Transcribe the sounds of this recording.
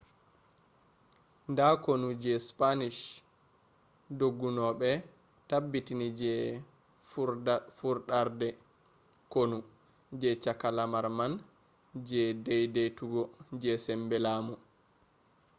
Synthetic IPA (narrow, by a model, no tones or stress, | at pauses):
ndakonud͡ʒɛspaniʃ | doɡːunɔɓɛ | tabːitinid͡ʒɛ | fuɾɗaɾdɛ | konu | d͡ʒɛt͡ʃakalamaɾman | d͡ʒɛdɛjdejtuɡɔd͡ʒɛsɛmbɛlaːmu